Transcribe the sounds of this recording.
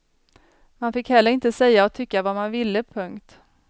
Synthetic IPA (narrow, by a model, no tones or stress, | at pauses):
manfɪkhɛlːəɾɪnt̪əsɛjːaɔt̪ʰʏkːavamanvɪlːəpʰɵŋkt̪